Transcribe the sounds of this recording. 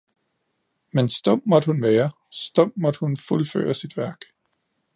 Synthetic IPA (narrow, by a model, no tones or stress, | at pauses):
mensd̥ɔ̽m̰mɒd̥hunʋæːɐ | sd̥ɔ̽m̰mɒ̽d̥əhunfulfø̰ːɐsid̥ʋæɐɡ̥